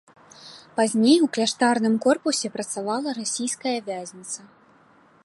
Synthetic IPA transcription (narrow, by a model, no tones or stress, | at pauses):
pazʲnʲejwklʲaʂt̪arnɨmkɔrpusʲɛpɾɐt̪savalˠɐɾasʲijskɐjɐvʲazʲnʲit̪sɐ